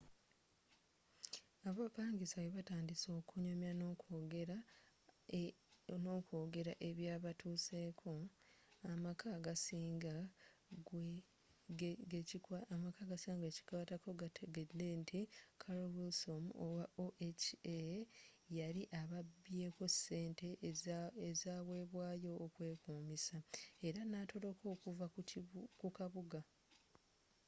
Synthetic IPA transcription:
aβopaːŋɡisaweβataːndiso̞ːkuɲomjano̞koɡeɾa | no̞ːkoːɡe̞ɾa̰ʔe̞βjaːβatʰuːse̞kʰo̞amakaɡasiːŋɡa | ɡemakaɡasiːŋɡe̞ːci̥kaːtako̞ɡatʰeɡedentʰikʰaɾowilsomowaoʔet͡ʃe | jaɾiʔaβabːje̞ːko̞se̞ːnte̞ | ezaːβwe̞ːβwaːjo̞ːkwe̞ːkuːmisae̞ɾanatʰo̞lo̞ko̞ːkuvakukaβuɡa

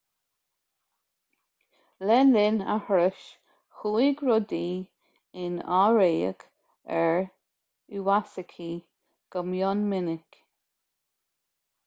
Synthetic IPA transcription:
lɛlɪna̰hɾəʃ | xuːiɡɹɔd̪iː | ɪnaɹejə̰ɡ | ɛɹ | uwasəkʰi | ɡ̥əmjɔnmɪnɪk

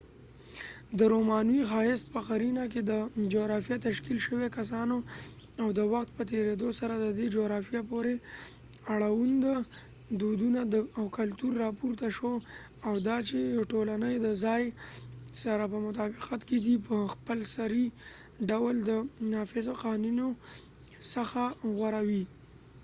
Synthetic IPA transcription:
d̪əɾomɑnwixɑjɪst̪̚pəqaɾinak̬ed̪əd͡ʒoɣɾɑfijat̪aʃkilʃəwekas̬ɑno | awd̪əwaxt̪̚pət̪̬eɾed̪osaɾad̪əd̪ed͡ʒoɣɾɑfijapoɾe | aɽawund̪a | d̪ud̪unad̪əawkalt̪uɾːɑpuɾt̪aʃo | awd̪ɑt͡ʃejʈolanəjd̪əzɑj | saɾapəmʊt̪ɑbɪqat̪ked̪ipəxpəlsaɾi | ɖawld̪ənɑfɪzoqawnuno | səxaɣwaɾawi

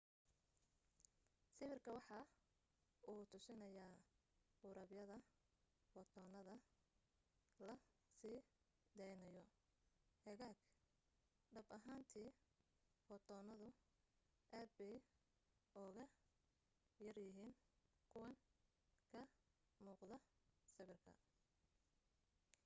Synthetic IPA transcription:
sɪβɪrkʰɐwɑħɑ | ʔuːt̪ʰʊsɪnɐjaː | ʊɾɐbjɐðɐ | wɑt̪ʰɔːnɐðɐ | lɐ | siː | d̪ɛjnɐjɔ | hɛɣaːɡ | ɖɐbɐɦaːnt̪ʰiː | wɑt̪ʰɔːnɐðʊ | ʔaːd̪̚bɛj | ʔɔːɣɐ | jɐrjɪɦiːnkʰʊwɐŋ | kʰɐ | muːqðɐsɪβɪrkʰɐ̰

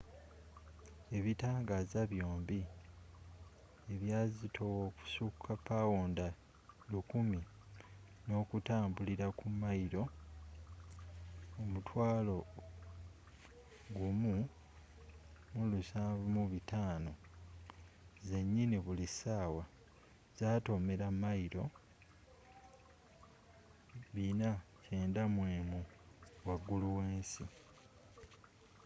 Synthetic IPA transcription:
e̞βitaːŋɡaːzaβjo̞ːmbi | e̞βjaːzitʰowoku̥sukʰːapawoːnda | lukumi | no̞ːkutaːmbuliɾakumːajiɾo̞ | omutʰwaːlo̞ | ɡumu | mulusaβmuβitaːno̞ | ze̞ɲːiniβulisaːwa | z̥aːto̞me̞ɾamːajiɾo̞ | βina | ce̞ːndamweːmu | waɡːuluweːnsi

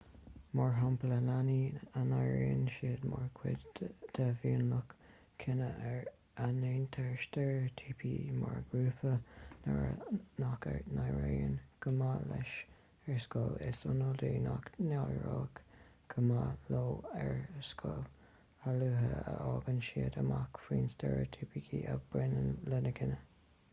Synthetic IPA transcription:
mɔɹɦɔmpləlaniənaɹeːənʃiːd̪mɔɹkʰwɪdt̪ʰəviːənlʊk | kʰɪnəɛɹ | aneːnt̪ʰɛɹʃt̪əɹt̪ʰiːpʰimɔɹɡɹuːpʰən | nakəɹnajɹeːənɡ̥ʰəmalɛʃ | ɛɹskolɪsʊnod̪iːnaknajɹoːkɡ̥ʰəmaloːɛɹskʰʊl | aluːɦəəʔɔːɡənʃiːəd̪əmakfiːnstɛɹo̰t̪ʰiːpikʰiʔəb̥ɾɪnələnəkʰɪnə

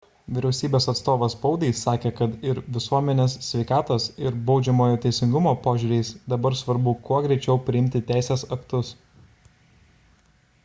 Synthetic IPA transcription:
ʋʲɪɾʲɛʊsʲiːbʲeːsɐt̪st̪oːʋɐspɐʊd̪ʲɛɪsɑːkʲeːkɐt̪ɪɾʋʲɪsuɔmʲɛnʲeːsːʲʋʲɛɪkɑːt̪oːsɪɾbɒʊd͡ʒʲɛmoːjoːt̪ʲɛɪsʲɪŋɡʊmoːpoːʒʲʊːɾʲɛɪsd̪ɐbɐɾsʋɐɾbʊkuɔɡɾʲɛɪt͡ʃʲɛʊpʲɾʲɪɪmʲt̪ʲɪt̪ʲæˑɪsʲeːsɐkt̪ʊs

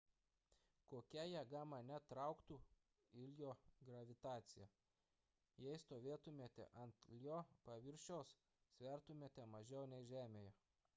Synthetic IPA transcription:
koːkʲɛjɛɡɑːmɑnʲɛt̪ɾɑˑʊkt̪uː | ɪlʲjoːɡɾɐʋʲɪt̪ɑːt̪sʲɪjɛ | jɛɪst̪oːʋʲeːt̪ʊmʲeːt̪ʲɛ̰ʔɐnt̪lʲjoːpɐʋʲɪɾʲʃʲoːs | sʲʋʲɛˑɾt̪ʊmʲeːt̪ʲɛmɐʒʲɛʊnʲɛɪʒʲæːmʲeːjɛ

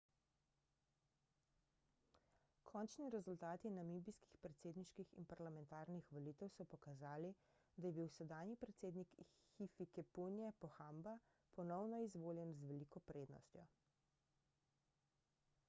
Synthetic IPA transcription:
kʰɔnt͡ʃniɾɛzult̪aːt̪inamibiski̥xpɾɛt̪seːd̪niʃkixḭnpaɾlamɛnt̪aːɾnixʋɔlit̪ɛwsɔpɔkazaːli | d̪ajɛbiwsɛd̪aːnjipɾɛt̪seːd̪nik | xifikɛpunjɛpɔxamba | pɔnɔwnɔizʋoːljɛnzʋɛliːkɔpɾeːd̪nɔ̰st̪jɔ

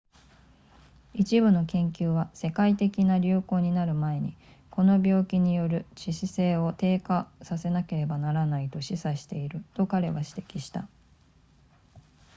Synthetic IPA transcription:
it͡ɕibɯ̟no̞kẽ̞ŋkʲɨːβase̞kait̪e̞kʲinaɾʲɯ̟ːko̞ːɲ̟inaɾɯ̟mae̞ɲ̟i | ko̞no̞bʲo̞ːkʲiɲ̟ijo̞ɾɯ̟ɕiɕise̞ːo̞t̪e̞ːkasase̞nake̞ɾe̞banaɾanait̪o̞ɕisaɕi̥t̪e̞iɾɯ̟t̪o̞kaɾe̞βaɕi̥t̪e̞̥kʲiɕi̥t̪a

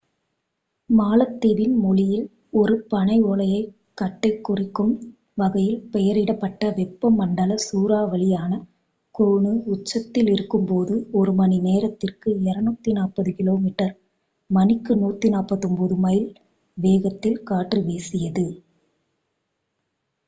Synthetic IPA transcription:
maːlɐt̪ːɪðɪnmɔlɪjɪl | ɔɾɯpɐɳɐɪoːɭɐjɐɪ | kːɐʈːɐɪkːʊrɪkːɯm | ʋɐɣɐjɪlpɛjɐɾɪɽɐpːɐʈːɐʋɛpːɐmːɐɳɖɐlɐsuːɾaːʋɐɭɪjaːnɐ | kɔɻɳɯʊt͡ʃːɐt̪ːɪlɪɾɯkːɯmpoːðɯɔɾɯmɐnineːɾɐt̪ːɪrkɯɛɾɐnuːt̪ːinaːpɐðɯkɪloːmiʈːɐɾ | mɐnɪkːɯnuːt̪ːinaːpɐðɔmpɔðɯmɐjɪl | ʋeːɣɐt̪ːɪlkaːʈrɯʋeːsɪjɐðɯ

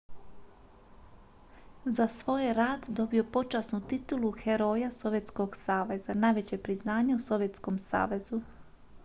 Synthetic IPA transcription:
zasʋo̞ːjɾaːd̪d̪o̞bio̞po̞t͡ʃasnut̪it̪uluxeɾo̞ːjaso̞ʋje̞t̪sko̞ɡsaːʋe̞z̥anaːjʋe̞t͡ɕepɾiznaːɲeuso̞ʋje̞t̪sko̞msa̰ːʋe̞zu

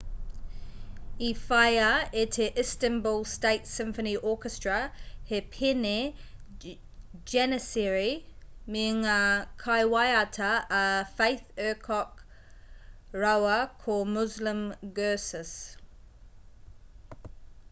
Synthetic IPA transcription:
ifaɪəɪtʰəʔɪstə̃nbɔlˠsteɪtsɪ̃ɱfəniʔɔːˑkəstɹ̥əhɪpʰɪne | d͡ʒɛnəsɛɹimiŋəkʰaɪwaɪatʰəəfeɪθɜːkʰɔk | ɹaʊəkʰɔmʊzlə̃mɡɜːˑsəs

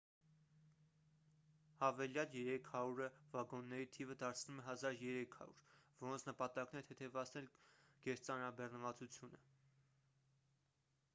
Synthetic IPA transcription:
hɑvɛljɑljɛɾɛkʰhɑɾuɾəvɑɡɔnːɛɾit̪ʰivəd̪ɑɾt͡sʰnumɛɦɑzɑɾjɛɾɛkʰhɑ̰ɾṵɾvɔɾɔnt͡sʰnəpɑt̪ɑknɛt̪ʰɛt̪ʰɛvɑt͡sʰnɛlɡ̥ɛɾt͡sɑnɾɑbɛrnəvɑt͡sut͡sʰjunə

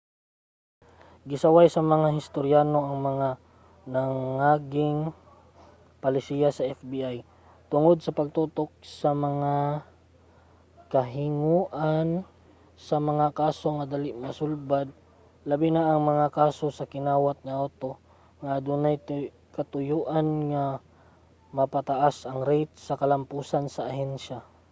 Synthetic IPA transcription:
ɡɪsɐwajsɐmɐŋaɦɪst̪oɾjaːno̞ʔɐŋmɐŋa | nɐŋaɡɪŋ | pɐlɪsiːjasɐʔɛfbiʔaj | t̪ʊŋod̪̚sɐpɐɡ̚t̪uːt̪ok̚sɐmɐŋa | kɐɦɪŋuːʔan | sɐmɐŋakaːso̞ŋad̪alɪʔmɐsʊlbad̪̚ | lɐbinaʔːŋmɐŋakaːsosɐkɪnaːwat̪̚ŋaʔat̪o | ŋaʔːd̪unajt | kɐt̪ʊjuːʔanŋa | mɐpat̪aʔasɐŋɾejt̪̚sɐkɐlɐmpuːsansɐʔːɦɛnʃa

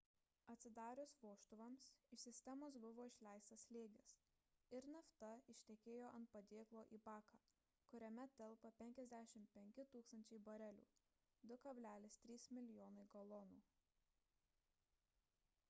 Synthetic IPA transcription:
ɐt̪ʲsʲɪd̪ɑːɾʲʊsʋoːʃt̪ʊʋɐmsɪʃsʲɪsʲt̪ʲɛmoːs̬bʊʋoːɪʃʲlʲæˑɪst̪ɐslʲeːɡʲɪs | ɪɾnɐft̪ɐɪʃʲt̪ʲɛkʲeːjoːʔɐnt̪̚pɐd̪ʲeːklˠoːʔiːbɑːkɑː | kʊɾʲɛmʲɛt̪ʲɛlˠpɐpʲɛŋʲkʲɛzʲd̪ʲæʃʲɪmʲpʲɛŋʲkʲɪt̪uːkst̪ɐnʲt͡ʃʲɛɪbɐɾʲɛlʲṵː | d̪ʊkɐbʲlʲæːlʲɪst̪ʲɾʲiːsmʲɪlʲɪjoːnɐɪɡɐlˠɔːnuː

